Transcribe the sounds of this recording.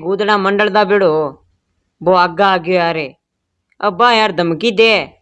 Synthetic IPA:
ɡuːd̪ɽ̃aːmə̃ɳɖəɭd̪aːbeːɽoː | boːaːɡaaːɡjoːaːɾeː | əbaːaɾd̪ʱəmkiːd̪eː

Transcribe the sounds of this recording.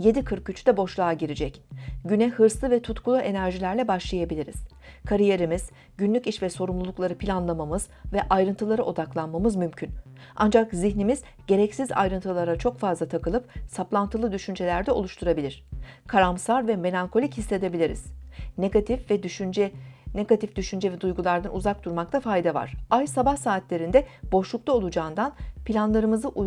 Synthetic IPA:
je̞d̪ikʰɯɾk̚ɟyt͡ʃʰyd̪ɛbo̞ʃlˠaːɟiɾid͡ʒɛcɟynɛhɯɾslˠɯvɛt̪ʰut̪kʰulˠuʔe̞næɾʒilʲæɾlʲɛbaʃlˠajabilʲiɾḭz̥ | kʰaɾije̞ɾimiz̥ | ɟynlʲyciʃvɛso̞ɾumlˠulˠuklˠaɾɯpʰilʲanlˠamamɯz̥ | vɛʔajɾɯnt̪ʰɯlˠaɾɯʔo̞d̪aklˠanmamɯzmymcʰyn | ʔa̰nd͡ʒakziçnimiz̥ | ɟ̥e̞ɾɛcsiza̰jɾɯnt̪ʰɯlˠaɾat͡ʃʰo̞kfazlˠat̪ʰakʰɯlˠɯp̚saplˠant̪ʰɯlˠɯd̪yʃynd͡ʒe̞lʲæɾd̪ɛo̞lˠuʃt̪ʰuɾabilʲiɾ̥kʰaɾamsaɾvɛme̞lʲaŋkʰo̞lʲichislʲe̞d̪e̞bilʲiɾḭz̥neɡt̪ifvɛd͡ʒɛneɡat̪ʰifd̪yʃynd͡ʒɛvɛd̪ujɡulˠaɾd̪anuzak̚d̪uɾmakt̪ʰafajd̪ɛva̰ɾ̝̥ajsabahsaːt̪lʲe̞ɾind̪ɛb̥o̞ʃlˠuk̚t̪ˠao̞lˠud͡ʒaːɯnd̪anpʰilʲanlˠaɾɯmɯzɯʔu

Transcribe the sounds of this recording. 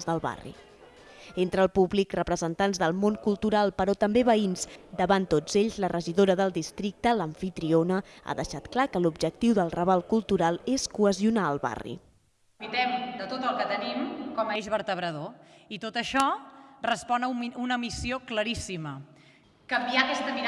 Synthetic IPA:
zðəlˠβa̰rḭ | ent̪ɾəlˠpuβlikrəpɾəzənt̪anzðəlˠmoŋkulˠt̪uɾalˠpəɾɔt̪əmbeβəinzd̪əβant̪ːod͡zeʎzlərʔəʒiðoɾəðəlˠd̪ist̪ɾik̚t̪ələɱfit̪ɾionəa̰ðəʃat̪klakəlubʒək̚t̪iwðəlˠrəβalˠkulˠt̪uɾalˠeskuəziunaəlˠβa̰rḭ | it̪ɛmd̪ət̪ot̪əlˠkət̪ənimkɔməʒβəɾt̪əβ̞ɾəðoit̪ot̪əʃɔrəspɔnəunəmisiokləɾisimə | kəmbiakɛst̪əmiɾ

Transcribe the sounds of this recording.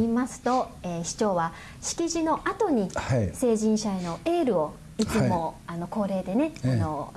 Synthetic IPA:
imasɨ̥t̪o̞ | eːɕi̥t͡ɕo̞ːβa | ɕi̥kʲiʑino̞ʔat̪o̞ɲ̟ise̞ːʑĩɰ̃ɕae̞no̞e̞ːɾɯ̟o̞ | it͡sɨmo̞ano̞ko̞ːɾe̞ːd̪e̞ne̞ano̞

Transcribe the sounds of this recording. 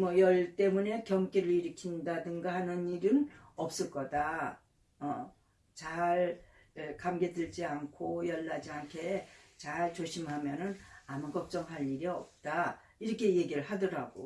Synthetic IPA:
mʌjʌɭt͈e̞mune̞kjʌŋkʰeɾɯɭɾiɾɯkʰindadɯŋɡaɦanɯniɾɯnʌp̚s͈ɯɭk͈ʌda | ʌ | t͡ɕaɭ | ekamɡe̞dɯɭd͡ʑiankʰojʌɭːad͡ʑiankʰe̞t͡ɕaɭt͡ɕoɕʰimɦamjʌnɯnamuɡʌp̚t͡ɕ͈ʌŋɦaʎiɾiʌ̰p̚t͈a | iɾʌkʰe̞je̞ɡiɾɯɭɦadʌɾaɡo̰

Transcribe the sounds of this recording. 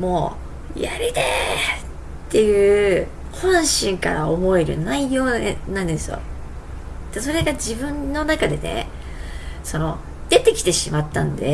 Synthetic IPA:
mo̞ː | jaɾid̪e | t̪ːe̞jɯ̟ː | hõ̞ɰ̃ɕĩŋka̰ɾaomo̞e̞ɾɯ̟̰naijo̞ːnãnd̪e̞sɨjo̞̰ | d̪̥aso̞ɾe̞ɡad͡ʑibɯ̟̃nːo̞nakad̪e̞nḛ | so̞no̞ | d̪̥e̞t̪e̞kʲi̥t̪e̞ɕimat̪ːãnd̪e̞̰

